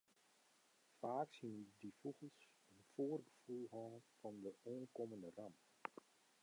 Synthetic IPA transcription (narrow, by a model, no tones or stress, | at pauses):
faːksindifuɣəlˠs | ənfoːrɡəfulˠɦɑːfɑndəʔoənkoməndəramp